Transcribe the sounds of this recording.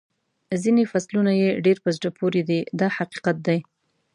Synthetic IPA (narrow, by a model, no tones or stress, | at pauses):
zinefaslunajeɖeɾpəzɖəpʰoɾed̪id̪ɑhaqi̥qat̪̚d̪aj